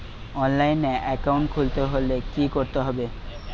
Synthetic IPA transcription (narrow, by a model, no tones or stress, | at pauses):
ɔnlajneʔɛkawɳʈkʰult̪eɦolekikoɾt̪eɦɔbe